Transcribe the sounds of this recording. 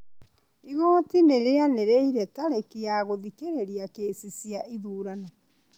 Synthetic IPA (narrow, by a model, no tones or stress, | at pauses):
iɣoːtineɾeaneɾeiɾɛtaɾekeaɣoðikeɾeɾiakesisjaʔiðuːɾana